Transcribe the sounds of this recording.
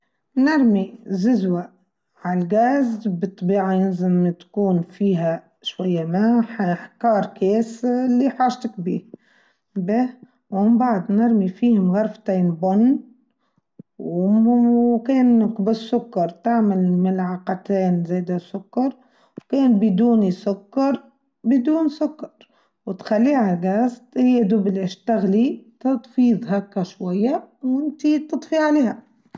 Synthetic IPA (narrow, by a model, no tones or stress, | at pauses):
nɑɾˤmizɪzwa | ʕalɡæːzbɨt̪ˤːɑbiːʕajɪnzɪmt̪kuːnfiːɦæ | ʃwajːamæħaħkɑːɾˤkɛːslːiħɑːʒt̪əkbḭːh | bɛːh | wmɪmbaʕd̪nɑɾˤmifiːhʊmɣɑɾˤft̪iːnbʊnː | w | kɛːnkbɪsːʊkːɑɾˤt̪aʕmalmɪlʕɑqɑt̪ɛːnzæːd̪asʊkːɑɾˤ | wkɛːnbɪd̪uːnisʊkːɑɾˤ | bəd̪uːnsʊkːɑ̥ɾ | wt̪xalːiːhaɡæst̪hɪjːæd̪ʊblɪʃt̪aɣlit̪ɑt̪ˤfiːðˤɦækːæʃwajːawɪnt̪it̪ɨd̪ˤfiʕaleːhæ